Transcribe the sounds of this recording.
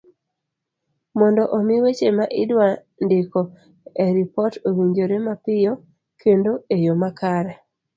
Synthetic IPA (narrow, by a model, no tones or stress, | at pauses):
mɔndɔʔomɪwet͡ʃemaʔɪdwa | ndɪkɔ | ɛɾipɔtowiɲd͡ʒoɾemapɪjɔ | kʰendoejomakʰaɾɛ